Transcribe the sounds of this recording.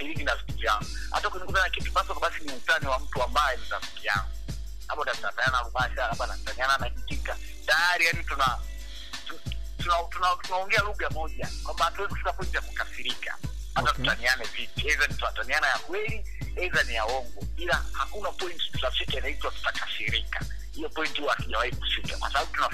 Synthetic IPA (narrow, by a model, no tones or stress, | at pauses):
iɾininavituvjaŋɡu | ha̰takɛɲiŋɡutanakitu̥kasɔkaɓasinimutaniwam̩tuambaɛɛnizafi̥kija̰ŋɡu | laɓɔntatunatananaluɓaʃalaɓanautaniananakitika | tajaɾijanituna | tun | tunatunatunaɔŋɡɛaluɣamɔʄakwambahatuwɛziku̥fikapɔintijakukafiɾika̰ | atatutanianɛvipihɛzanitunatanianajakwɛli | ɛzanijaɔŋɡɔilahakunapɔinti̥tu̥tafikainaitwatu̥takafiɾika̰ | hijɔpɔintihuaakiʄawahiku̥fika̰kwa̰saɓaɓutuna